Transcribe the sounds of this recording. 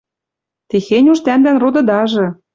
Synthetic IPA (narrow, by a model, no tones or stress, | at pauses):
t̪exenʲuʃt̪ænd̪ænrod̪ɤ̆d̪ɑʒɤ̆